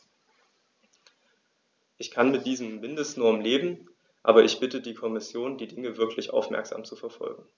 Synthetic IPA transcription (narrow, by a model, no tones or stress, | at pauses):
ʔɪçkʰanmɪt̚d̥iːzəm̩mɪndəstnɔɐmmleːbm̩ | ʔa̰ːbɐʔɪçb̥ɪtədiːkʰɔmɪsjoːndiːdɪŋəvɪɐklɪçʔa̰ʊfmɛ̰ɐkz̥a̰ːmt͡sufɛɐfɔ̰lɡŋ̩